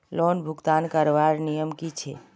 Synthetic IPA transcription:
lɔnbʱuɡt̪ankəɾʋaɾnijəmkit͡ʃʰe

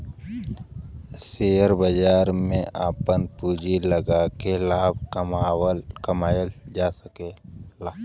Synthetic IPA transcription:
seːjəɾbəd͡ʒaːɾmẽʔaːpənpuːd͡ʒiləɡaːkelaːb̚awəlkɐmaːjəld͡ʒaːsəkelaː

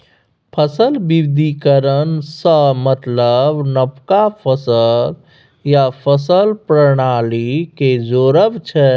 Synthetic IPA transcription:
pʰəsəlbibd̪ʱikəɾənsə̃mət̪ləbnəpkapʰəsəl | japʰəsəlpɾəɽ̃aliked͡ʒoɾəbt͡ʃʰɛ

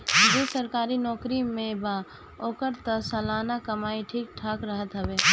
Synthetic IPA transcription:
d͡ʒesɐɾkaːɾinɔːkɾimẽba | oːkəɾt̪əsɐlaːnakɐmaːiʈʰiːk̚ʈʰaːkɾəɦət̪ɦəbeː

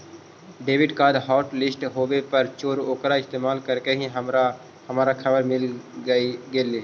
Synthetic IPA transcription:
ɖeːʋɪɖkaːd̪ɦɔːʈlɪsʈɦoːʋepəɾt͡ʃoːɾoːkɾaɪst̪eːmaːlkəɾkeɦĩɦ | həmaːɾakʰɐbəɾmɪliɡeːleː

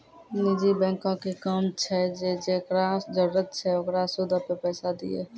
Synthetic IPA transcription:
nɪd͡ʒibɛ̃ːŋkõkekamt͡ʃʰɛd͡ʒed͡ʒekɾad͡ʒəɾɾət̪̚t͡ʃʰɛoɡɾasʊd̪ʱapepɛːsad̪ḭḛː

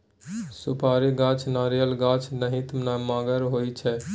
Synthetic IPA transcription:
supaːɾiɡat͡ʃʰnaɾijəlɡat͡ʃʰnəɦit̪mnamaːɡəɾɦojt͡ʃʰɛ

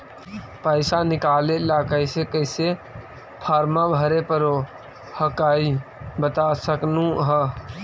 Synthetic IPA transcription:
pəɪsanɪkaːleɪlaːkaisekəɪse | pʰaːɾmabʱəɾepəɾo | həkaːibət̪asəknũɦə

